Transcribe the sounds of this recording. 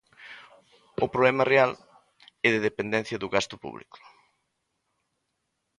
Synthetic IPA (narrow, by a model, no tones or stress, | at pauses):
ʊpɾoβlɛmɐreal | ɛðeðepend̪ɛn̟θjɐðʊɣast̪ʊ̥pṵβlḭkʊ̥